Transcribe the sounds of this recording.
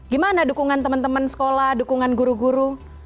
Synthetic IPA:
ɡimanadukuŋant̪əmənt̪əmənsə̥kolahdukuŋanɡuɾuɡuɾu

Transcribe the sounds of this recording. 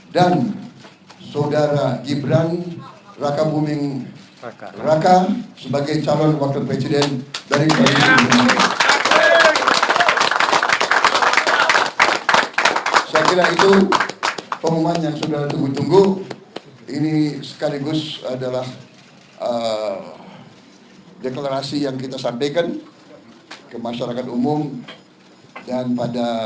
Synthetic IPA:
dan | sawdaɾaɡibɾan | rakabumɪŋ | rakasəbaɡajt͡ʃalɔnwak̚t̪upɾesidɛndaɾikalisibəmala | saakiɾanit̪u | pəmumanjaŋsudaht̪uŋɡut̪uŋɡuh | inisə̥kaliɡʊsadalah | ə | deklaɾasijaŋkit̪asampajkan | kəmaʃaɾakat̪umʊm | danpada

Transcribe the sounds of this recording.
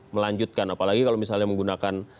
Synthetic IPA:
məlaɲd͡ʒut̪̚kanapalaɡikalomisalɲaməŋɡunakan

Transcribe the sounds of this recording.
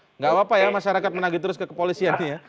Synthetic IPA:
ŋɡawapajamaʃaɾakat̪̚mənaɡit̪̬əɾʊskəkəpolisianija

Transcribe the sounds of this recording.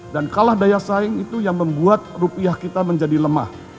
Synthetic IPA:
dankalahdajasaɪŋit̪ujaŋməmbuat̪̚rupiahkit̪aməɲd͡ʒadiləma̰h

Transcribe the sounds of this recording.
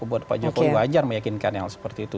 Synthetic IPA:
kubuat̪̚pa̰d͡ʒokoiad͡ʒarməjakinkanjaŋsə̥pərt̪iːt̪u

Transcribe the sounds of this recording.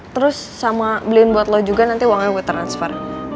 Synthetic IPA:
t̪əɾʊsːamabəliʊnbuat̪lɔd͡ʒuɡanant̪iwaŋɛbuɛt̪ɾansfɛr

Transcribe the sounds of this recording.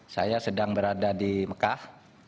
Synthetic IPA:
sa̰jasədaŋbəɾadadiməkah

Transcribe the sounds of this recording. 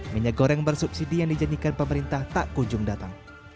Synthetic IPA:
miɲaɡoɾɛŋbərsup̚sidijaŋdid͡ʒanikanpəməɾint̪aht̪aʔkuɲd͡ʒʊŋdat̪aŋ

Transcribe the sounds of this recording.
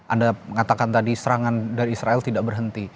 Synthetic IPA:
ʔandaŋat̪akant̪adisəɾaŋandaɾiːsɾaɛlt̪idaʔbərɦənt̪i

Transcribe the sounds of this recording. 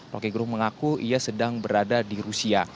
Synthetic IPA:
ro̰kiɡɾʊhməŋakuiasədaŋbəɾadadiɾusia

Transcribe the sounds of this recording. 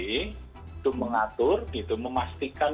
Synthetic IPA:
i | t̪uməŋat̪ʊrit̪uməmast̪ikan

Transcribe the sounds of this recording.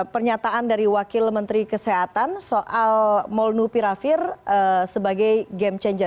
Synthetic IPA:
pərɲat̪aʔandaɾiwakɪlmənt̪ɾikəseɦat̪ansoʔalmɔlnupiɾafɪrəsəbaɡajɡɛmt͡ʃɛɲd͡ʒə

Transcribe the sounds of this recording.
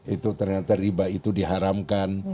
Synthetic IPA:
it̪ut̪ərŋat̪aɾibait̪udiɦaɾamkan

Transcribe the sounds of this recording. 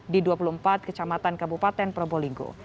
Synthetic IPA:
diduapuluəmpat̪̚kət͡ʃamat̪ankabupat̪ɛnpɾoboliŋɡo̰

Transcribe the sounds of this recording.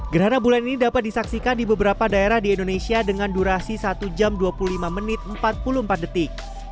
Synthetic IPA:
ɡəɾɦanabulaninidapat̪̚disaksikandibəbəɾapadaeɾahdiɛndonesiadəŋanduɾasisat̪ud͡ʒamduapuluhlimamənɪt̪̚əmpat̪̚puluhəmpat̪̚dət̪ɪk̚

